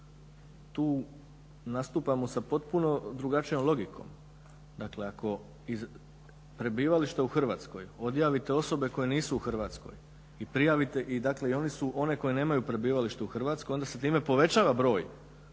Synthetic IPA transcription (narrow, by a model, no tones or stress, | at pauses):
t̪uː | nast̪uːpamosapo̞t̪puno̞d̪ɾuɡat͡ʃijo̞mlˠo̞ɡikʰo̰m | d̪akle̞ako̞ | iz | pɾe̞biːʋaliʃt̪euxr̩ʋaːt̪skojo̞d̪jaːʋit̪e̞o̞so̞be̞ko̞jeniːsuuxr̩ʋaːt̪sko̞̰j | ipɾijaʋit̪e̞ʔid̪akle̞io̞nisuʔo̞neko̞jine̞ːmajupɾe̞biːʋaliʃt̪euxr̩ʋaːt̪skoj̪d̪aset̪iːme̞po̞ʋe̞t͡ɕaːʋabɾo̞ːj